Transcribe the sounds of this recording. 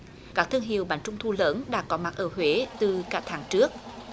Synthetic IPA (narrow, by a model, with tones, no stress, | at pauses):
kaː˦˥k̚t̪ʰɨ˧əŋɦḭ˨əwɓaː˨˩ŋt͡ɕʊ˧ŋ͡mt̪ʰu˧ləː˨˦nɗa̰ː˧˥kɔ˨˦ma˨˩t̚ʔəː˧˩hwe˨˦t̪ɨ˨˩kaː˦˥t̪ʰaː˨˦ŋt͡ɕɨ˦˥ək̚